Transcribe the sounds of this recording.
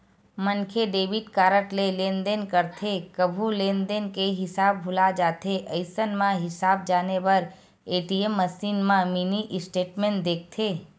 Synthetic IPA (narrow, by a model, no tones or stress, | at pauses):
mənkʰeɖeːʋɪʈkaːɾəʈlelẽːnd̪enkəɾt̪ʰekəbʱulẽːnd̪enkeɦɪsaːbbʱʊlad͡ʒaːt̪ʰeʔəɪsənmãɦɪsaːb̚d͡ʒaːnebəɾ | eːʈiemːəsiːnmãminiʔɪsʈeːʈmẽːɳʈ̚d̪eːk̚ʰt̪ʰeː